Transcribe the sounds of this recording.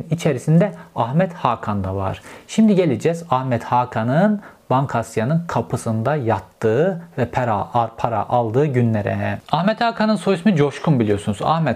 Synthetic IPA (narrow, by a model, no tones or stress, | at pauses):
nit͡ʃʰeɾisind̪ɛahmɛt̪haːkʰand̪ava̰ɾ̥ʃimd̪iɟelʲed͡ʒɛzahmɛt̪haːkʰanɯn | b̥aŋkʰasjanɯnkʰapʰɯsɯnd̪ajat̪ːɯːvɛpʰaɾaaɾpʰaɾa̰ʔalˠd̪ɯːɟynlʲeɾɛ̰ahmɛt̪haːkʰanɯnsojusmid͡ʒo̞ʃkʰumbilʲijo̞sunuza̰hmɛ